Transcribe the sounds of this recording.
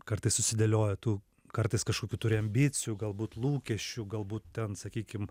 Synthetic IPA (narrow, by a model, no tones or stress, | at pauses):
kɐrt̪ɐɪssʊsʲɪd̪ʲɛlʲoːjɛt̪uː | kɐɾt̪ɐɪskɐʃkoːkʲuːt̪ʊɾʲɪɐmʲbʲɪt͡s̪ʲɪjuɡɐlˠbuːt̪lˠuːkʲɛʃʲt͡ʃʲuɡɐlˠbuːt̪̚t̪ʲɛnsɐkʲiːkʲɪm